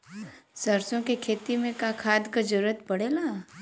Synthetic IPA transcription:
səɾsõkekʰeːt̪imẽkakʰaːd̪kad͡ʒəɾuɾət̪pɐɽeːlaː

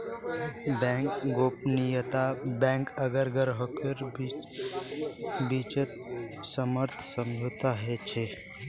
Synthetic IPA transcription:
bɛ̃kɡopnijət̪abɛ̃ŋkəɡəɾɡəɾɦokəɾb | bit͡ʃət̪̚ | səməɾt̪ʰsəmd͡ʒʱot̪aɦɛt͡ʃʰe

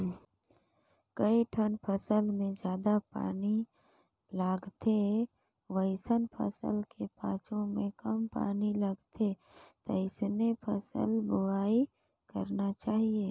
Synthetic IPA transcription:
kəiʈʰənpʰəsəlmẽd͡ʒjaːd̪apa̰ːni | laːɡt̪e | ʋəɪsənpʰə̰sə̰lkepãːt͡ʃõmẽkəmpa̰ːniləɡt̪e | t̪ɔ̰ɪsnepʰə̰sə̰lbʊɽaːi | kə̰ɾnat͡ʃaːɦieː

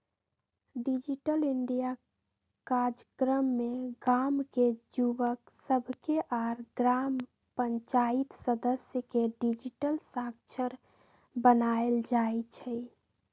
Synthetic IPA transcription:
ɖid͡ʒiʈəliɳɖija | kaɾd͡ʒəkɾəmːeɡamked͡ʒubəksəbʱkeʔaɾɡɾam | pəɲt͡ʃait̪səd̪əsjəkeɖid͡ʒiʈəlsak̚t͡ʃʰəɾ | bənaeld͡ʒaet͡ʃʰɛ

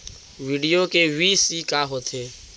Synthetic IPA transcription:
ʋiːɖijoːkeːʋiːsiːkaːɦoːt̪ʰeː

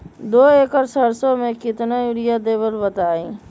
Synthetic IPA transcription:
d̪oekəɾsəɾsõmẽkɪt̪najuɽijad̪ebəɾbət̪aĩ

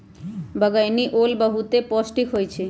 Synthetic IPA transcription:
bəɡajniʔolbəɦut̪epɔsʈikɦojt͡ɕʰe

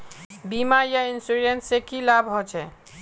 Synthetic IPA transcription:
bimajainsuɾenʈsekilabʱɦɔt͡ʃʰɛ

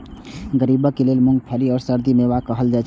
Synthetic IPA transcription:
ɡəɾiːbəkeleːlmʊ̃ŋɡ̚pʰaːliɔːɾsəɾd̪imẽʋakəɦəld͡ʒaːt͡ʃʰ

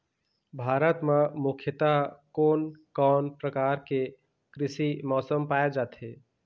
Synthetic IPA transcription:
bʱaːɾət̪memukʰjət̪akonkɔːnpɾəkaɾke | kɾɪsimɔːsəmpaed͡ʒaːt̪ɦe

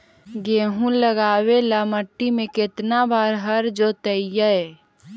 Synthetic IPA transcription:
ɡeːɦũləɡaːwelaməʈːimẽkɪt̪nabaːɾɦəɾd͡ʒot̪əɪjəɛ

